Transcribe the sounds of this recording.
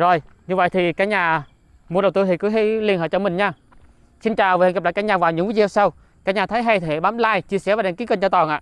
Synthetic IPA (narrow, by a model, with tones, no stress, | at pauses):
zo˨˩jɲɨ˧və̰˧˨jt̪ʰi˨˩kaː˨˦˥k̚ɲaː˨˩ | mu˧əɗə˨˩wt̪ɨ˧t̪i˨˩kɨ˨˦ɦi˧jli˧ənhəː˧˨˩jt͡ɕɔ˧mï˨˩ŋ̟ɲaː˧˩ | si˧nt͡ɕaː˨˩wvhn̚˨˩la̰ː˧˨jkːaː˨˦˥kɲaː˨˩vaː˨˩wɲɨ̰˧˥ŋi˧˦zi˨˧˩a˧msa˧w | kaː˦˥k̚ɲaː˨˩t̪ʰə˨˦jɦa˧jt̪ʰɓaː˨˦mlaː˧jt͡ɕi˧əsɛ˧˥˩vaː˨˩ɗa̰˨˧˦ki˨˦˥kə˧nt͡ɕɔ˧t̪ɔː˨˩nʔa̰ː˧˨